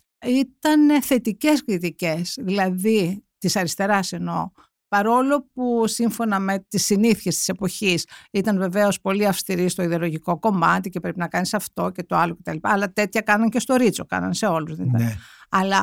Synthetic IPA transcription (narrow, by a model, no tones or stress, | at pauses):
it̪ɐnθe̞t̪ice̞skɾit̪ice̞sðilɐðit̪isɐɾist̪e̞ɾɐse̞no̞ | pɐɾo̞lo̞pusiɱfo̞nɐme̞t̪isiniθçe̞st̪i̥se̞po̞çisit̪ɐnve̞ve̞o̞spo̞liɐfst̪iɾist̪o̞iðeo̞lo̞ʝiko̞ko̞mɐt̪ice̞pɾepinɐkɐnisɐft̪o̞ce̞t̪o̞ɐloce̞t̪ɐlipɐːlɐt̪e̞t̪çɐkɐnɐɲce̞st̪o̞ɾit͡so̞̰kɐ̰nɐ̰nse̞o̞luzðeniɐɐlɐ